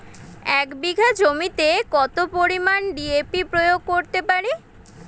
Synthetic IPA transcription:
ɛkbiɡʱad͡ʑomit̪ekɔt̪opoɾimanɖiepipɾojoɡ̚koɾt̪epaɾi

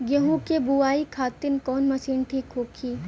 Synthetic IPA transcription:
ɡjɐɦũkebuaːikʰaːt̪ɪnkɔːnmɐsiːnʈʰiːkɦoːkʰiː

